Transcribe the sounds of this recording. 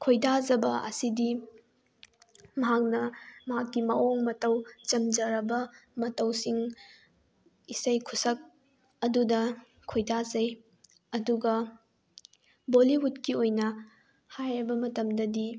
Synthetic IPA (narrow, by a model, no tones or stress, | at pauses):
kʰojdazɐbɐʔɐ̰sidi | mɐɦak̚nɐmɐɦakːimɐoŋmɐtɐwt͡ʃɐmd͡ʒɐɾɐbɐmɐtɐwsiŋ | isɐjkʰusɐk̚ | ɐdudɐ | kʰojdazɐj | ɐduɡɐ | boliɦutkiojnɐ | hajɾɐbɐmɐtɐmdɐdi